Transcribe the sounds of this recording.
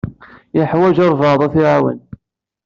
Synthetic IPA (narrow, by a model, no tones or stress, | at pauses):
jəħwæʒɑɾˤvɑðˤɑθiʕawə̰n